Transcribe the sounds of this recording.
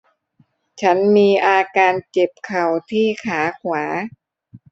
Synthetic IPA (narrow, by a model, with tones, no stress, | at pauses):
t͡ɕʰa˦˥nmiː˧ʔaː˧kaː˧nt͡ɕe˨˩p̚kʰa˨˩wt̪ʰiː˥˩kʰaː˩˦kʰwaː˩˦